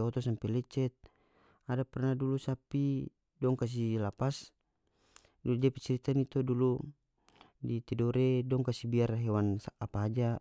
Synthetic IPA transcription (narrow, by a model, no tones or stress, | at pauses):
ɔt̪ɔsampɛlɛt͡ʃɛt̪̚ | adapɛrnadulusapi | dɔŋkas̬ilapas | duud͡ʒapit͡ʃɛɾit̪anit̪ɔdulu | dit̪ɛdɔɾɛdɔŋkasibiarɦɛwansaapaɦad͡ʒa